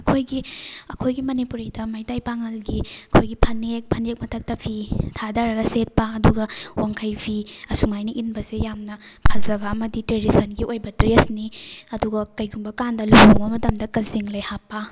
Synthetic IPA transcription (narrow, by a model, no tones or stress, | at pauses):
ɐkʰojɡiɐkʰojɡimɐnipuɾidɐmajtajpaŋɐlɡiɐkʰojɡipʰɐnek̚pʰɐnek̚mɐtʰɐk̚tɐpʰitʰadaɾɐɡɐset̚pɐɐduɡɐwaŋkʰɐjpʰiɐsumajniʔinbɐsejamnɐpʰɐzɐβɐːmɐditɾedisɐnɡiʔojbɐtɾesniɐduɡɐkɐjɡumbɐkandɐlubumɐmɐtɐmdɐkɐziŋlɐjhapːɐ